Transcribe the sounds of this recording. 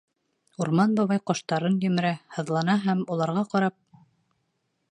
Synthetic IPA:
uɾmɑnbɑβɑjqŏʃt̪ɑɾɤnjɵ̆mɘ̆ɾæhɤ̆ðlˠɑnɑɦæmulˠɑɾʁɑqɑɾɑp̚

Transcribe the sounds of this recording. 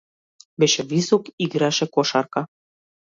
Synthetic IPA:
bĕʃĕβisukiɣɾɑʃĕkoʃɑrkɑ

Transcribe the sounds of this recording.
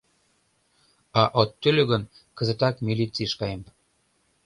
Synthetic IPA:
ɑʔot̪ːølʲøɣə̆n | kə̆zĕt̪ɑkmilʲit͡siʃkɑjəm

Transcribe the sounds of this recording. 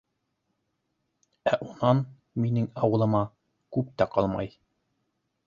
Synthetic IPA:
æʔunɑn | minɘŋɑwɤ̆lˠɤ̆mɑ | kʉp̚t̪æqɑlˠmɑ̰j

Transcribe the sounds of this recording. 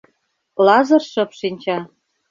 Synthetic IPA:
lɑzɤ̆rʃɤ̆pʃinʲt͡ɕɑ

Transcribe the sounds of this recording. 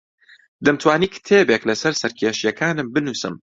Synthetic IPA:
d̪ɐmt̪ʰwaːniːkʰɨ̥t̪ʰeːbeklɐsɐɾsɐɾkʲʰeːʃjɛkʰaːnɨmbɨnuːsɨ̰m

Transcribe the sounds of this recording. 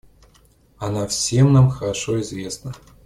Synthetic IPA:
anafsʲemnamxəɾaʂoizvʲesnə

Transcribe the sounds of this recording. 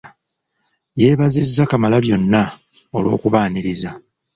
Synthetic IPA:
je̞ːβazizːakamalaβjo̞nːao̞lwo̞̰ːkuβaːniɾiza

